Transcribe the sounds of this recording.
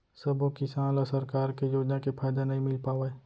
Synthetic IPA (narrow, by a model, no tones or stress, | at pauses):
sɐbokɪsaːnlɔsɐɾkaːɾkejoːd͡ʒnakepʰaːjd̪anɐɦĩmɪlpaːʋae